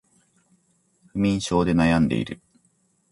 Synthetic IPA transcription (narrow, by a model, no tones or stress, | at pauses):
ɸɯ̟mʲĩɰ̃ɕo̞ːd̪e̞najãnd̪e̞̰ḭɾɯ̟